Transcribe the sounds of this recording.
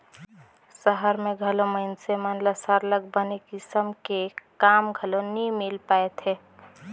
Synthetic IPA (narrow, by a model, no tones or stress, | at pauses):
səɦəɾmẽɡʱəloməɪnsemənləsəɾləɡbənekɪsəmkekaːmɡʱəlonimilpaet̪ʰɦe